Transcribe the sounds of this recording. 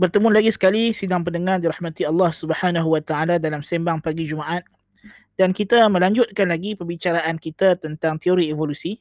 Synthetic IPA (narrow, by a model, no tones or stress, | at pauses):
bərt̪əmulaɡisə̥kalisidaŋpəndəŋãrdiɾahmãt̪iɑlːɑhsubəhanaɦuwat̪aaladalamsembaŋpaɡid͡ʒumaʔat̪̚ | d̥ankit̪amə̃laɲd͡ʒʊt̪̚kanlaɡipəbit͡ʃaɾaʔankit̪at̪ənt̪aŋt̪ioɾievolusi